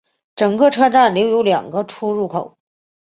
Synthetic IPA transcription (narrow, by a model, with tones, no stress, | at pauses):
ʈ͡ʂɤ˨˩ŋkɤ˥˧ʈ͡ʂʰɤ˥ʈ͡ʂa˥˩nljo˧˥ʊjo˧˥ʊljɑ̰˨˩ŋɡə˦ʈ͡ʂʰu˥ɻu˥˩kʰo˨˩˦